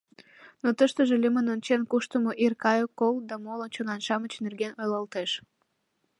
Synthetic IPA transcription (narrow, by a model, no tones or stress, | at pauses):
not̪əʃt̪əʒelʲimənont͡ɕenkuʃt̪əmoʔirkɑjokːold̪ɑmolənt͡ɕonɑnʃɑmət͡ɕnerɡenojlɑlt̪eʃ